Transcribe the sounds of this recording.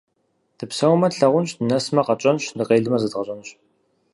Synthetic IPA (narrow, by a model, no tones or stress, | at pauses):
d̥ʰɨpsɐwmɐɬɐʁʷʊnɕdɨnɐsmɐqɐt͡ʃʼɐnɕndɨqeːɮɨmɐzɨdʁɐɕʼɐnɨɕ